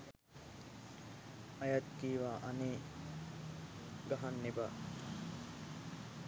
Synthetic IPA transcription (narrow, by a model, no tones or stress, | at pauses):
ɐjat̪kiːʋaːʔɐneː | ɡɐɦanːeba